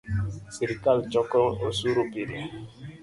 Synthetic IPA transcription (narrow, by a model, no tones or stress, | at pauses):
siɾikalt͡ʃɔkɔosuɾupiɾi